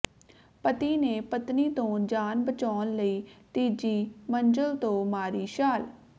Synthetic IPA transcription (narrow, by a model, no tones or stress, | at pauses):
pət̪iːneːpət̪niːt̪õːd͡ʒaːnbət͡ʃaːnləiːt̪iːd͡ʒiːmənd͡ʒəlt̪õːmaːɾiːʃaːl